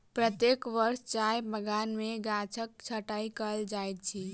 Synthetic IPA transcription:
pɾət̪jekʋəɾst͡ʃajbəɡanmeɡat͡ʃʰək̚t͡ʃʰəʈaikəld͡ʒajt̪̚t͡ʃʰi

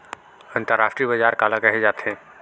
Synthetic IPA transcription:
ə̃nt̪əɾaːfʈɾibəd͡ʒaːɾkaːlãkɐɦed͡ʒaːt̪ʰẽː

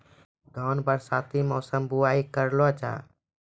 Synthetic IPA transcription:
d̪ʱɔːnbəɾsat̪imɔːsəmbuaikəɾlɔt͡ʃa̰

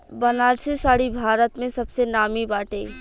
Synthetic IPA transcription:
bənaːɾsesaːɽibʱaːɾət̪mẽsɐbsenaːmibaːʈe

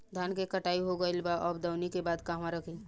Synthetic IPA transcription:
d̪ʱjaːnkekɐʈaːiɦoɡəɪlbaʔɔːbd̪əʊnikebaːd̪kaːɦmãɾəkʰi

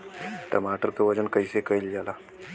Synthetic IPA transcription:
ʈəmaʈəɾkəʋəd͡ʑənkəisekəjld͡ʑala

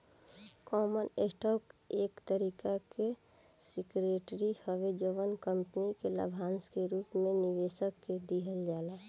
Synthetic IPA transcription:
kɔːmənesʈɔːkeːkt̪əɾiːkake | sikɾeʈɾihəʋed͡ʒəʋənkəmpnikelə̰bʱanskeɾuːpmeniʋeːʃəkːed̪iɦəld͡ʒaːla

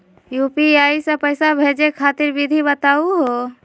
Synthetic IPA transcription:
juːpiaːisəpəɪsabʱeːd͡ʒekʰaːt̪ɪɾbid̪ʱibət̪aːuɦo

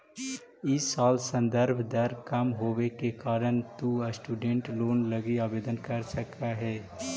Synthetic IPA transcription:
ɪsːaːlsə̃nd̪əɾbʱd̪əɾkɐmɦoːʋekekaːɾəɳt̪uɐsʈuːɖẽɳʈloːnləɡiaːbeːd̪ənkɐɾsək̚t̪aɦɛː

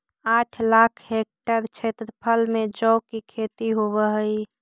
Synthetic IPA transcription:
aʈʰlakʰhek̚ʈəɾt͡ʃʰet̪ɾəpʰəlmed͡ʒɔʊkikʰet̪iɦobəɦəi

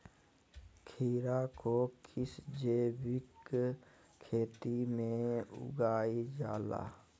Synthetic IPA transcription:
kʰiːɾakokʰɪsd͡ʒeːbɪk | kʰːeːt̪imẽʊ̰ɡaːid͡ʒaːla̰ː

